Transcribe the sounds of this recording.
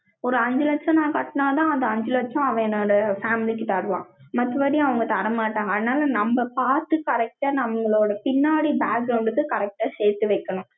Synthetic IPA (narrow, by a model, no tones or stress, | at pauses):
ɔɾɯɐɲd͡ʒɯlɐt͡ʃːɐ̃nãːkɐʈːɐnaːt̪ãːɐnd̪ɐɐɲd͡ʒɯlɐt͡ʃːɔ̃ɐʋɐ̃ɛnːoːɽɐfaːmɪlikːɯt̪ɐɾɯʋã̰ːmɐt̪ːɯʋɐːɽiɐʋɐŋɡɐt̪ɐɾɐmaːʈːaːŋɡɐːðɯnaːlɐnɐmbɐpaːɾt̪ɯkɐɾɛk̚ʈaːnɐʋɐŋɡɐɭoːɽɐpɪnːaːɽibaːkɡɾɐʊɳɖɯkːɯkɐɾɛk̚ʈaːseːɾt̪ːɯʋɐɪkːɐɳʊ̃